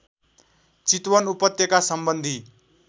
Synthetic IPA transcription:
t͡sit̪wʌnupʌt̪jʌkasʌmbʌnd̪ʱi

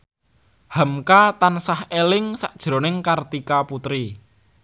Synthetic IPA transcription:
həmkat̪ansahelɪŋsaʔd̥ʒ̥ɾo̤nɪŋkart̪ikaput̪ɾi

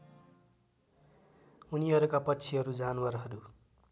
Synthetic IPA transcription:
uniɦʌɾukapʌtːsʰiɦʌɾud͡zanwarɦʌɾu

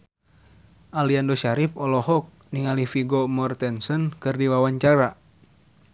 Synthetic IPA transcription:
ʔaliandoʃaɾip̚ɔlɔhɔk̚niŋalifiɡɔmɔrt̪ɛnsɔnkɨrdiwawaɲt͡ʃaɾa

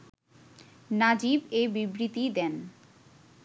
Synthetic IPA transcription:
nad͡ʑibebibɾit̪id̪ɛn

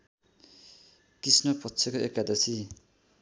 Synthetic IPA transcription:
kisnʌpʌtːt͡sʰekoekːad̪ʌsi

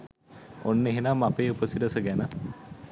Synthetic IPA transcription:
onːeɦenamːapeːupəsiɾəsəɡænə

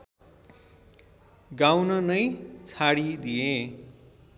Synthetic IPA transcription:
ɡawnʌnʌjt͡sʰaɽid̪ije

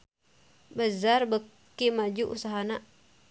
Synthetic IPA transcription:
bəzarbəkː | imad͡ʒuʔusaɦana

